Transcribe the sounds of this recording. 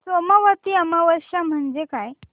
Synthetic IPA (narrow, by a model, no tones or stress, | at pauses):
somaʋat̪iːamaʋəɾɕam̤əɳd͡ʑekaj